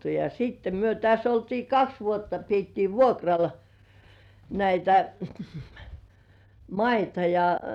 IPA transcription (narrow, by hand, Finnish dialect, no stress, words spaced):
jɑ siːtːe myø tæs oltiː kɑks ʋuotːɑ pietːiː ʋuokrɑl næitæ mɑitɑ jɑ